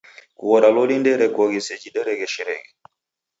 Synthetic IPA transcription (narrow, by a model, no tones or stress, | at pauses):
kuɣɔɾalɔlindɛɾɛkɔɡisɛd͡ʒidɛɾɛɡɛʃɛɾɛ̰ɡɛ